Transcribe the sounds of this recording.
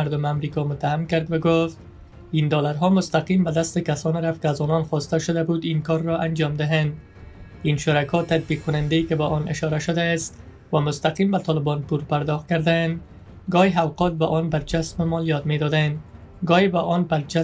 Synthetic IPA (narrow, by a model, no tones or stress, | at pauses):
aɾd̪ʊmamɾikɒmʊt̪ːahamkaɾd̪waɡoft̪ | ind̪ɒlaɾɦɒmʊst̪aqimbad̪ast̪ekasɒnɾaft̪kɪazɒnɒnxɔst̪aʃʊd̪abud̪inkɒɾːɒʔand͡ʒɒmd̪ɪɦand̪ | inʃʊɾakɒt̪at̪̚biq̚kːʊnɪnd̪aekɪbaʔɔnʔɪʃɒɾaʃʊd̪ast̪ | wamʊst̪aqimbat̪ɒlɪbɒnpuɾpaɾd̪ɒxt̪̚kaɾd̪and̪ | ɡɒjɦawqɒt̪̚baʔɔnbaɾt͡ʃasmemɒlijɒt̪med̪ɒd̪and̪ | ɡɒjebaʔɔnbaɾt͡ʃa